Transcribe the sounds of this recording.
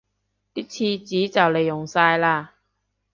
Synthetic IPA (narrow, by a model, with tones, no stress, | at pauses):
t̪iː˥t͡sʰiː˧t͡siː˨˥t͡sɐ˨wle˨˩jːʊ˨˩ŋsaː˧jlaː˧